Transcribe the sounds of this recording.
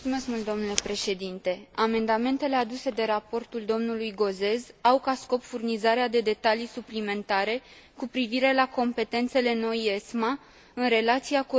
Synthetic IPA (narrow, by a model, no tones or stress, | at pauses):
sume̞skmult̪d̪o̞mnule̞pɾe̞ʃe̞d̪int̪e̞ame̞nd̪ame̞nt̪e̞le̞ad̪use̞d̪e̞ɾapo̞rt̪uld̪o̞mnulujɡo̞ze̞zawkasko̞pfurnizaɾead̪e̞d̪e̞t̪alisuplime̞nt̪aɾe̞ | kupɾiviɾe̞lako̞mpe̞t̪e̞nt̪se̞le̞no̞je̞sma | ɨnɾe̞lat̪siaku